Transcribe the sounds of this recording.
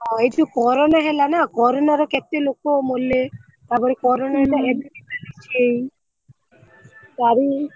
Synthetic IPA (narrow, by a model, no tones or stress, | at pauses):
ɔetukɔɾonaɦelanakɔɾonaɾokɛt̪elokomolːe | t̪apɔɾekɔɾonaɦelaɛdinipalit͡ʃʰej | t̪aɾi